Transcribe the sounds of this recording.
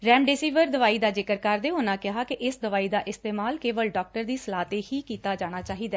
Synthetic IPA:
ɾɛːmɖeːsiːʋəɾd̪əʋaːiːd̪aːd͡ʒɪkəɾkəɾd̪eːɦonãːkɪɦaːkɪʔɪsd̪əʋaːiːd̪aːʔɪst̪eːmaːlkeːʋəlɖɔːk̚ʈəɾd̪iːsəlaːt̪eːhiːkiːt̪aːd͡ʒaːɽ̃aːt͡ʃaːɦiːd̪aː

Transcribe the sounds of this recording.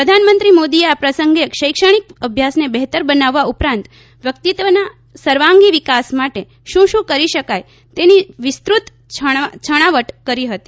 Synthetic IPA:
pɾəd̪ʱanmənt̪ɾimod̪ieapɾəsəŋɡeʃəjkʃəɽ̃ik̚əbʱjasnebɛɦt̪əɾbənaʋːaupɾãnt̪ | ʋjək̚t̪it̪ʋəna | səɾʋãŋɡiʋikasmaʈe | ʃũʃũkəɾiʃəkaj | t̪eniʋɪst̪ɾut̪ | t͡ʃʰət͡ʃʰəɽ̃aʋəʈkəɾiɦət̪i

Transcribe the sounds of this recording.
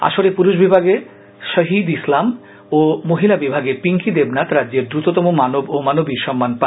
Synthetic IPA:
a̰ʃoɾepuɾuʃbibʱaɡe | ʃəɦid̪islam | omoɦilabibʱaɡepiŋkid̪ebnat̪ɾadːd͡ʑeɾd̪ɾut̪ot̪ɔmomanobomanobiɾʃɔmːanpa

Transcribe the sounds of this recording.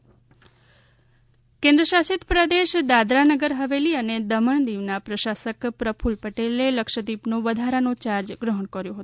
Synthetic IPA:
kẽnd̪ɾəʃasit̪pɾəd̪eʃd̪ad̪ɾanəɡəɾɦəʋeliəned̪əməɳd̪iʋnapɾəʃasəkpɾəpʰulpəʈeleləkʃəd̪ipnoʋəd̪ʱaɾanõt͡ʃaɾd͡ʒɡɾəɦəɳkəɾjõɦət̪

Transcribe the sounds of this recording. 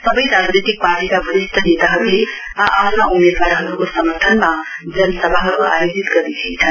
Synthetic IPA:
sʌbʌjɾad͡znit̪ik̚parʈikabʱʌɾist̪ʰʌnet̪aɦʌɾule | ʔatmaʔumed̪waɾɦʌɾukosʌmʌrt̪ʰʌnmad͡zʌnʌsʌbʱaɦʌɾua̰jod͡zit̪ɡʌɾnit͡sʰʌnt͡sʰʌn

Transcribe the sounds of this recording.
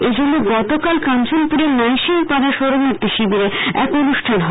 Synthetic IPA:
ed͡ʑʱonːoɡɔt̪okalkant͡ɕonpuɾemajʃinpad̪ʱaɾʃoɾomoɾt̪iʃibiɾeɛ̰konuʃʈʰanɦɔ

